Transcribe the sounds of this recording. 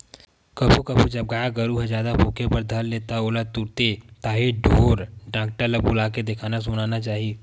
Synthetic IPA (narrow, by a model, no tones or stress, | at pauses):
kɐpʰukɐpʰud͡ʒɐb̚ɡaːjaɡəɾuɦed͡ʒjaːd̪apʰoːkepɐɾd̪ʱɐlːeːt̪aoːlat̪uɾt̪et̪aːɦiɖʱoːɾɖãːk̚ʈaləɡ̚bʊlaːked̪ekʰaːnas̬ʊnaːnat͡ʃaːɦieː